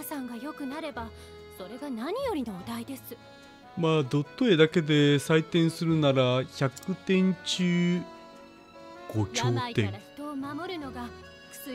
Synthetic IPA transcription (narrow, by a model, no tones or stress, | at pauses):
asãŋɡajo̞kɯ̟naɾe̞ba | so̞ɾe̞ɡanaɲ̟ijo̞ɾʲino̞ad̪aid̪e̞sɨ̥ | maːd̪o̞t̪ːoed̪ake̞d̪e̞sait̪ẽ̞ɰ̃sɨɾɯ̟naɾaçakɯ̟t̪ẽ̞ɲ̟t͡ɕɨː | ɡ̥o̞kʲo̞ːt̪ḛ̃çi̥t̪o̞ːmamo̞ɾɯ̟no̞ɡa | kɯ̟̥sɨ